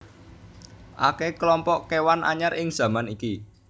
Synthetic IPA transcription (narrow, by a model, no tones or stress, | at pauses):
ʔa̰keklɔmpɔʔkewanʔa̰ɲaɾʔɪŋz̥ä̤maniki